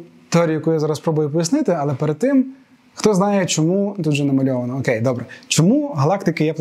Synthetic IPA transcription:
t̪eɔɾʲijɐkujazɑɾɐspɾɔbʊjʊpɔjʲisnɪt̪ɪɐlˠɛpeɾed̪̚t̪ɪm | xt̪ɔznɑjɛt͡ʃɔmut̪ut̪ʒɛnɐmɐlʲɔʋɐnɔːkejd̪ɔbɾɛt͡ʃɔmuɦɐlˠɑkt̪ɪkɪjɛp̪ˠ

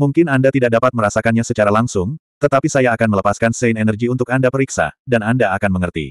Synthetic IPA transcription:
muŋkɪnandat̪idak̚dapat̪̚məɾasakanɲasət͡ʃaɾalaŋsʊŋ | t̪ət̪apisajaːkanmələpaskansɛɪnɛnərɡiunt̪ʊkandapəɾiksa̰danandaːkanməŋərt̪ḭ

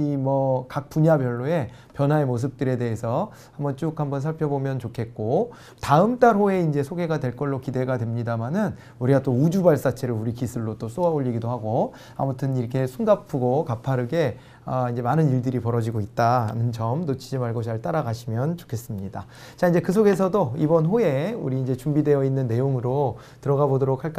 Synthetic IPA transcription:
imʌkak̚p͈uɲabjʌɭːoe̞ | pjʌnɦwae̞mos̬ʰɯp̚t͈ɯɾe̞de̞ɦesʰʌ | hambʌnt͡ɕ͈okhambʌns̬ʰaɭpʰjʌbomjʌnt͡ɕokʰe̞t̚k͈o | taɯmt͈aɾɦoe̞ind͡ʑe̞sʰoɡe̞ɡadwe̞ɭk͈ʌɭːokide̞ɡadwe̞mɲidamanɯn | uɾiɡat͈oud͡ʑubaɭs͈at͡ɕʰe̞ɾɯuɾikisʰɯɭːot͈os͈oaoʎːiɡidoɦaɡo | a̰mutʰɯniɾʌkʰe̞sʰunɡapʰɯɡokapʰaɾɯɡe̞ | ʌind͡ʑe̞manɯniɭdɯɾipʌɾʌd͡ʑiɡoit̚t͈aa̰nɯnt͡ɕʌmnot͡ɕʰid͡ʑimaɭɡʌɕʰiaɭt͈aɾaɡaɕʰimjʌnt͡ɕo̥kʰe̞s͈ɯmɲida | t͡ɕaind͡ʑe̞kɯsʰoɡe̞s̬ʰʌdoibʌnɦoe̞ṵɾiːnd͡ʑe̞t͡ɕumbide̞ʌinːɯnːe̞joŋɯɾo | tɯɾʌɡabodʌɾok̚ʰaɭk͈

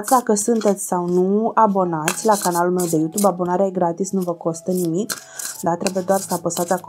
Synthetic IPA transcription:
t̪sʲd̪akəsunt̪e̞t̪sʲsawnuabo̞nat̪sʲlakanalulme̞wd̪e̞jut̪ubabo̞naɾeajeɡɾat̪isnuvəko̞st̪ənimik | d̪at̪ɾe̞bujed̪oarsəapəst̪at̪sʲak

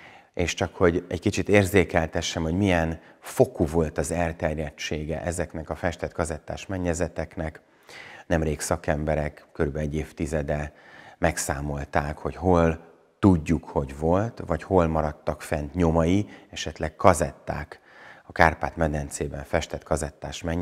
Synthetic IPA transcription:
eːʃt͡ʃɒkho̞ɟɛ̰ɟkit͡ʃit̪eːrzeːkɛlt̪ɛʃːɛmho̞ɟmijɛnfo̞kuvo̞lt̪ɒzɛrt̪ɛrjɛt͡ʃːeːɡɛ̰ʔɛzɛknɛkɒfɛʃt̪ɛt̪kɒzɛt̪ːaːʃmɛɲːɛzɛt̪ɛknɛk | nɛmreːksɒkɛmbɛɾɛkkːøɾybɛlɛɟːeːft̪izɛd̪ɛmɛksaːmo̞lt̪aːkho̞cho̞l | t̪uɟːukho̞ɟvo̞lt̪vɒcho̞lmɒɾɒt̪ːɒkfɛnt̪ɲo̞mɒjiɛʃɛt̪lɛkkɒzɛt̪ːa̰ːk | ɒkaːrpaːt̪mɛd̪ɛnt̪seːbɛɱfɛʃt̪ɛt̪kɒzɛt̪ːaːʃmɛɲ

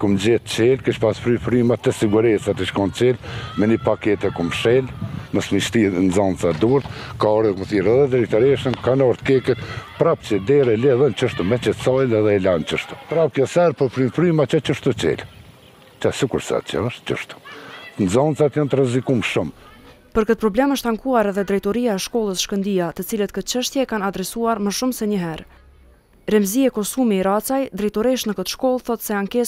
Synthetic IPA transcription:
kumd͡ʑɛt̪t͡ɕɛlkiʃpasfɾyfɾymat̪ɛsiɡuɾɛsat̪iʃkɔnt͡ɕɛlmɛnipakɛt̪ɛkumʃɛlməsmiʃt̪inzɔnt͡sad̪uɾt̪kaɔɾəkuməθiɾɛðɛd̪ɾit̪ɔɾɛʃənkanɔɾt̪kɛkɛt̪pɾapt͡ɕɛd̪ɛɾɛlɛðɛnt͡ʃəʃt̪umɛt͡ɕɛt̪sɔjlɛðɛlant͡ʃəʃt̪u̥pɾap̚kjɔsɛɾpɔɾfɾynfɾymat͡ʃɔt͡ʃəʃt̪ut͡ɕɛ̰l | t͡ʃasikuɾsa̰t̪t͡ʃa̰əʃt̪t͡ʃə̰ʃt̪u̥nzɔnt͡sat̪jant̪əɾɛzikumʃum | pəɾkət̪̚pɾɔblɛməʃt̪aŋkuaɾɛðɛd̪ɾɛjt̪ɔɾiaɛʃkɔlˠəsʃkənd̪iat̪ət͡silət̪̚kət̪̚t͡ʃəʃt̪jɛkanad̪ɾɛsuaɾməʃumsɛɲəɦɛɾ | ɾɛmziɛkɔsumiːɾat͡sajd̪ɾɛjt̪ɔɾiʃnəkət̪ʃkɔlˠθɔt̪sɛaŋkɛs

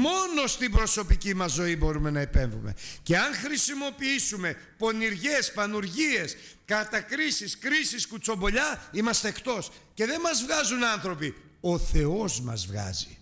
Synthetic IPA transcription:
mo̞no̞st̪ibɾo̞so̞picimɐzːo̞ibo̞ɾume̞nɐipe̞ɱvṵme̞̰ce̞ɐnxɾisimo̞piisume̞ | po̞niɾʝe̞spɐnuɾʝie̞skɐt̪ɐkɾisiskɾisiskut͡so̞mbo̞ʎɐimɐst̪eːkt̪o̞sce̞ðe̞mɐzvɣɐzunɐnθɾo̞pi | o̞θe̞o̞zmɐ̰zvɣɐ̰zi̥

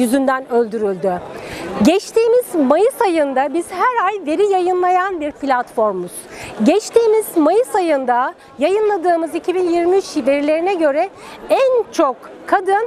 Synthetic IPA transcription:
jyzynd̪ænølʲd̪yɾylʲd̪yɟɛt͡ʃt̪ʰiːmizmajɯsajɯnd̪abiz̥hæɾajve̞ɾijajɯnlˠajanbiɾpʰlʲat̪fo̞ɾmuz̥ɟɛt͡ʃt̪ʰiːmizmajɯsajɯnd̪a | jajɯnlˠad̪ɯːmɯzicʰibinjiɾmiyt͡ʃve̞ɾilʲe̞ɾinɛɟø̞ɾɛ | ænt͡ʃʰo̞kkʰːad̪ɯn

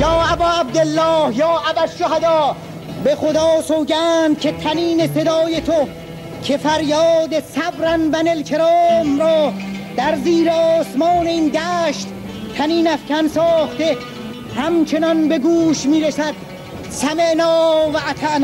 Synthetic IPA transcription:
jɒːæbɒːæb̚d̪elːɒːhjɒːʔæbæʃoɦæd̪ɒː | be̞xod̪ɒːsoːɟæːnd̪̥̚cʲʰe̞t̪ʰæniːne̞se̞d̪ɒːje̞t̪ʰo | cʰe̞fæɾjɒːd̪e̞sæbɾænbænelkʰe̞ɾɒːmɾɒːd̪̥æɾziːɾeɒːsmɒːneiːnd̪æːʃt̪ | t̪ʰæniːnæfkʰænsɒːχt̪e̞ | hæmt͡ʃʰe̞nɒnbe̞ɡuːʃmiːɾesæd̪̥ | sæmeʔnɒːvæʔæt̪ʰæʔnː

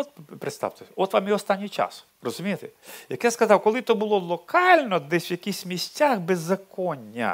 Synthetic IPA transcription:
ɔt̪pɾɪt̪st̪ɑ̰wt̪eɔt̪ʋɑmjiɔst̪ɑnʲːijt͡ʃa̰s | rɔzʊmʲijɪt̪ejɐkjaskɐzɑwkɔlˠɪt̪ɔbʊlˠɔlˠɔkʰɑlʲnɔd̪ɛsʲwjɐkʲisʲmʲisʲtʲaxbezːɐkɔnʲːɐ̰

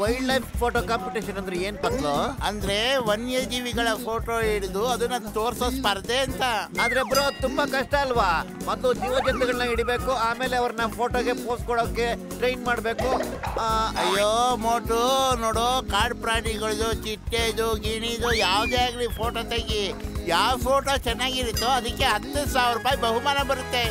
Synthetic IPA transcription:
ʋɐjɖlɐjppʰoːʈoːkaːmpiʈeːʃɐnɐnd̪ɾeeːnpɐt̪loɐnd̪ɐɾe̞ʋɐnːijɐd͡ʒiːʋiɡɐɭɐpʰoːʈoiɽid̪uɐd̪ɐnːɐt̪oːɾsospɐɾd̪eɐnt̪ɐaːd̪ɐɾeɐbːɐɾot̪umbɐkɐʂʈɐːlʋaːmɐt̪ːud͡ʒiːʋɐd͡ʒɐnt̪ɛɡɐɭnɐiɽibeːkuaːme̞ːleɐʋɐɾɐnːɐpʰoːʈoːɡe̞poːskɔɽokːe̞ | ʈɾejnmaːɽbe̞ːku | ɐjːomoːʈunoːɽoːkaːɾɖpɾaːɳiɡɐɭid̪ut͡ʃiʈːeid̪uɡiːɳid̪ojaːʋd̪eaːɡlipʰoːʈoːt̪eɡijaːʋpʰoːʈoːt͡ʃɛnːaːɡiɾut̪ːoɐd̪ɐkːeɦɐt̪ːɐsaːʋɾɾuːpaːjibɐɦumaːnɐbɐɾut̪ːe̞

